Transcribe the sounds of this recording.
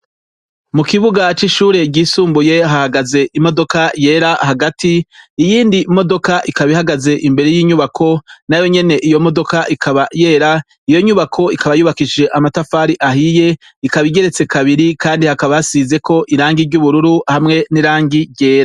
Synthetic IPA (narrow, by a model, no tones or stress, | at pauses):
mukiβuɡat͡ʃiʃuːɾe̞ɟiːsuːmbujeɦahaɡaze̞ʔimo̞do̞kaje̞ːɾaɦaɡatʰiːjiːndimo̞do̞kaʔikaβihaɡaze̞ʔimbe̞ɾe̞jiːɲuβakʰo̞najo̞ɲe̞ne̞ʔijo̞mo̞do̞kaʔikʰaβaje̞ːɾa | ijo̞ɲuβakʰo̞ikaβajuβakiʃd͡ʒe̞ʔamatafaːɾiʔaɦije̞ | ikaβiɡe̞ɾe̞t͡se̞kʰaβiɾikaːndihakaβajasize̞kʰo̞ʔiɾaːŋɡiɾɟuβuɾuɾuhamŋe̞niɾaːŋɡiɾɟe̞ːɾa